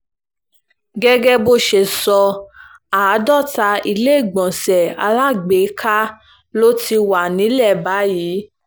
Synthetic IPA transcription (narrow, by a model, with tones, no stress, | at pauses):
ɡɛ˦ɡɛ˦bo˧ʃe˨sɔ˧ | a˨˦dɔ˦˨ta˧i˧le˦˨ɡ͡bɔ̃˨sɛ˨a̰˧la˦ɡ͡be˨˦kʰa˦ | lo˦ti˧wa˨nĩ˨˦lɛ˦˨ba˨˦jiː˨˦